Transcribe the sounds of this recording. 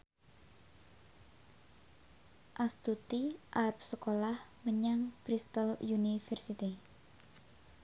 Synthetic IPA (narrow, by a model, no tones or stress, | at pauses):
ʔast̪ut̪iʔarp̚səkolahməɲaŋb̥ɾist̪əljunifɛrsit̪i